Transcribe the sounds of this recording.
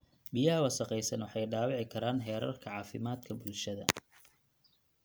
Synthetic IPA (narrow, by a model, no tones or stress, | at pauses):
bijɐɦɐwɑsɐqɛjsɐnwɑħɑjɖaːwɑʕɪkʰɐɾaːnɦɛːɾɐ̰rkʰɐʕɑːfɪmaːd̪kʰɐbʊlʃɐðɐ̰